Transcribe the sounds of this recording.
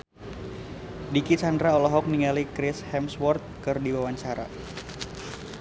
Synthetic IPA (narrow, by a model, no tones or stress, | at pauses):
dikit͡ʃandɾaɔlɔɦɔk̚niŋalikɾɪshɛmswɔrt̪̚kɨrdiwawaɲt͡ʃaɾa̰